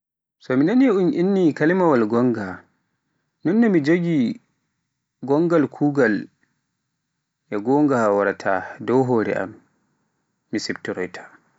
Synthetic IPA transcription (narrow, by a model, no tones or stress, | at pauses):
sɔminanjaunʔinːikalimawalɡɔŋɡa | nɔnːɔmid͡ʒoɡi | ɡɔŋɡalkʰuːɡal | ʔɛɡɔŋɡawaɾatʰadɔwɦoːɾɛ̰ʔa̰m | isibtiɾɔjtʰḁ